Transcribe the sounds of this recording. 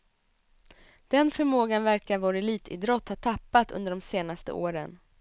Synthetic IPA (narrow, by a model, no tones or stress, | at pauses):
d̪̥ɛnfœɾmoːɡanvæɾkaɾvɑːɾaɛliːt̪ʰɪ̰ːd̪ɾɔt̪ːhɑːt̪ʰapːat̪ɵ̰nd̪əɖɔmseːnast̪ə̰ʔoːɾə̰n